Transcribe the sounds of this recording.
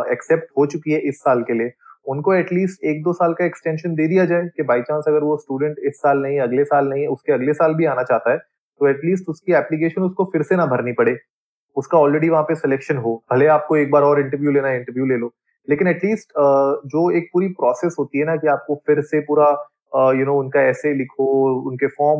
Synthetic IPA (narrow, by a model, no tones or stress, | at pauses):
ɛksɛp̚ʈɦot͡ʃʊkiɦɛʔɪsːaːlkelieʊnkoɛʈliːsʈeːk̚d̪oːsaːlkaɛksʈɛ̃ːnʃənd̪eːd̪ijad͡ʒaːekebaːit͡ʃãːnsɐɡəɾʋosʈuːɖə̃ɳʈɪsːaːlnɐɦĩɛɐɡlesaːlnɐɦĩɦɛʊskeɐɡlesaːlbʱiaːnat͡ʃaːɦt̪aɦɛː | t̪oɛʈliːs̬ʈʊskiɛːplik̬eːʃənʊskofɪɾsenɐbʱɐɾnipɐɽeː | ʊskaɔːlɾeːɖiʋɐɦãpesɛleːkʃənɦoːbʱɐleaːp̚koeːk̚baːɾɔːɾɪ̃ɳʈəɾʋjuleːnaɦɪ̃ɳʈəɾʋjuleːloː | leːkɪnɛʈliːsʈːd͡ʒoːeːk̚puːɾipɾɔːseːsɦoːt̪iɦɛnakiaːp̚kofɪɾsepuːɾa | jʊnoːʊnkaɛːselɪkʰoʊnkefɔːɾm